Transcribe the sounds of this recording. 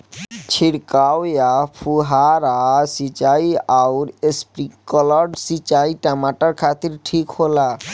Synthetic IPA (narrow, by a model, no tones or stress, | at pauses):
t͡ɕʰiɾkawjafʰuɦaɾasit͡ɕajawɾespɾikɔlaɖsit͡ɕaiʈamaʈaɾkʰat̪iɾʈʰikhola